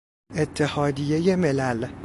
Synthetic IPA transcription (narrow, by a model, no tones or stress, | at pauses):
et̪ʰːe̞hɒːd̪ije̞je̞me̞læl